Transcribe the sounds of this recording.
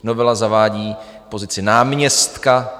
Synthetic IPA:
novɛlazavaːɟiː | po̞zɪt͡sɪnaːmɲɛst̪ka

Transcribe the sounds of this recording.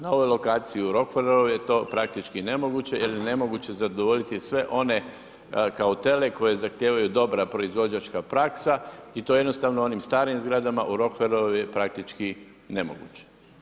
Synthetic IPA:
nao̞ʋo̞jlo̞kaːt̪siiuɾo̞kfeɾooʋjet̪o̞ːpɾak̚t̪it͡ʃkine̞mo̞ɡut͡ɕe̞jeline̞mo̞ɡut͡ɕe̞zad̪oʋo̞ʎit̪isʋe̞ʔo̞ne̞ | kaot̪e̞le̞ko̞je̞zaxt̪jeːʋajud̪o̞bɾapɾo̞izʋo̞d͡ʑat͡ʃkapɾaksait̪o̞jeno̞st̪aːʋnoo̞nimst̪aːɾiimzɡɾad̪amaʔuɾo̞kfeɾooʋijepɾak̚t̪it͡ʃki | ne̞mo̞̰ɡṵːt͡ɕe̥

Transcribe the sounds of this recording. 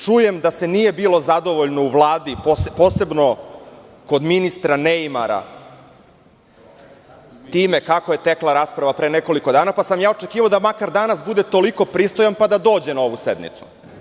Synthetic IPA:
t͡ʂuje̞md̪ase̞nijebiːlo̞zad̪o̞ʋoʎno̞uvlˠaːd̪ipopo̞ːse̞bno̞ | ko̞d̪minist̪ɾaneimaɾa̰ | t̪iːmekakoje̞t̪eklˠaɾaːspɾaʋapɾeːneko̞liko̞d̪aːnapasamjaːot͡ʃekiːʋaod̪amakaɾd̪anasbud̪e̞t̪o̞liko̞pɾiːst̪o̞janpad̪ad̪o̞ːd͡ʑenao̞ʋusḛd̪nḭt̪su̥

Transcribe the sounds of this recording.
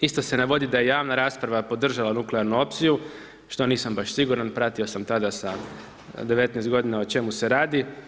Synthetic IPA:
ist̪o̞se̞naʋo̞d̪id̪aje̞jaːʋnaɾaːspɾaʋapo̞d̪r̩ʒalanukleaɾnuo̞pt̪siju | ʃt̪o̞niːsambaʃsiɡuɾanpɾat̪io̞samt̪ad̪asa | d̪eʋet̪nɛːst̪ɡo̞d̪inaot͡ʃe̞muse̞ɾaːd̪i

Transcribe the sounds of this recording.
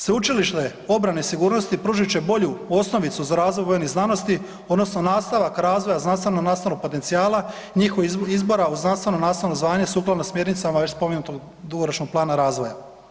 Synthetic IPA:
sʋeut͡ʃiliʃt̪e | o̞bɾaneisiɡuːɾno̞st̪ipɾuːʒit͡ɕe̞bo̞ʎuo̞sno̞ʋit̪suzaɾaːzʋo̞jvojniznano̞st̪i | o̞d̪no̞sno̞naːst̪aʋakɾaːzʋojaznanst̪ʋe̞nonaːst̪anoɡ̚po̞t̪e̞nt̪iaːla | ɲixoʋizbo̞ɾauznanst̪ʋe̞nonaːnst̪ʋeno̞zʋaːɲe̞suːklˠad̪nosmje̞ɾnit̪samae̞t͡ɕspo̞menut̪oɡ | d̪uɡoɾot͡ʃnoɡ̚plˠaːnaɾaːzʋo̞ja

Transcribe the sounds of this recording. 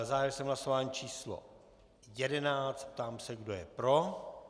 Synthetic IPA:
zaːvjɛɾsɛmɦlasovaːɲiːt͡ʃiːslo̰ | jɛdɛnaːt͡st̪̚p̚t̪aːmsɛɡdo̞jɛpɾo̞

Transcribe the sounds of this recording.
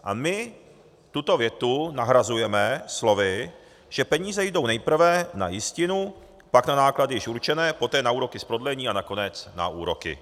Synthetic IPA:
ʔa̰mɪ | t̪ut̪o̞vjɛt̪unaɦɾazujɛmɛslo̞vɪ | ʒ̥ɛpɛɲiːzɛjɪdo̞wnɛjpr̩vɛna̰jɪscɪnu | paknanaːkladɪjɪʃʔuɾt͡ʃɛnɛːpo̞t̪ɛːnauːɾo̞kɪspɾo̞dlɛɲiːanako̞nɛt͡sna̰uːɾo̞kɪ̰

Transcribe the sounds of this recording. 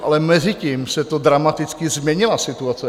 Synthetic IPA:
ʔalɛmɛzɪciːmsɛt̪od̪ɾamat̪ɪt͡skɪzmɲɛɲɪlasɪt̪uat͡sɛ

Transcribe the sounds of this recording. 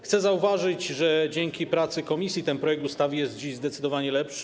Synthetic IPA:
xt̪sɛzauvaʐɘt͡ɕʐɛd͡ʑɛŋkʲipɾat̪sɘkɔmʲisʲjit̪ɛnpɾɔjɛk̚t̪ust̪avʲijɛst̪̚d͡ʑiʑzd̪ɛt̪sɘd̪ɔvaɲɛlɛpʂ

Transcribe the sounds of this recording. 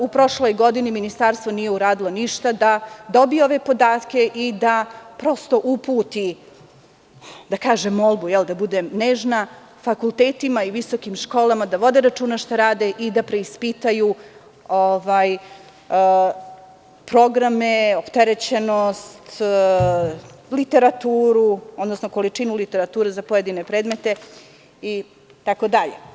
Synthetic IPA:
upɾo̞ʃlo̞jɡo̞d̪iniminist̪aɾst̪ʋonije̞uɾaːd̪ilˠoniʃt̪ad̪ad̪o̞bijeo̞ʋe̞po̞d̪aːt̪ke̞ʔid̪apɾo̞st̪o̞ʔupuːt̪i | d̪akaːʒemːolˠbujɛld̪abud̪emneːʒna | fakulˠt̪eːt̪imaiʋiso̞kimʃko̞ːlamad̪aʋo̞d̪eɾat͡ʃuːnaʃt̪aɾaːd̪eʔid̪apɾe̞ispit̪aju | oʋaj | pɾo̞ɡɾameo̞pt̪eɾet͡ɕe̞nost̪ | lit̪e̞ɾat̪uːɾuod̪nosnoko̞lit͡ʃinulit̪e̞ɾat̪uːɾezapoje̞d̪ine̞pɾeːd̪me̞t̪e̞ | i | t̪ako̞d̪aʎḛ

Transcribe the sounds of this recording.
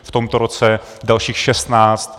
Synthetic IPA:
ft̪omt̪oɾot͡sɛ | dalʃiːxʃɛst̪naːt͡st̪

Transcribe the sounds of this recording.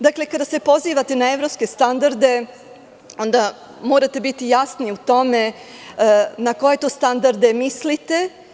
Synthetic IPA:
d̪akle̞kad̪ase̞po̞ziːʋat̪enaeʋɾopske̞st̪and̪aɾd̪e̞ | o̞nd̪a | moːɾat̪e̞bit̪ijasniut̪o̞me̞ | nako̞je̞t̪oːst̪and̪aɾd̪e̞mislit̪e

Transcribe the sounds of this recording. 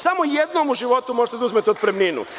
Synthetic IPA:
samojed̪nomuʒiʋo̞t̪umoʒet̪ed̪auzmet̪eo̞d̪̚pɾemninṵ

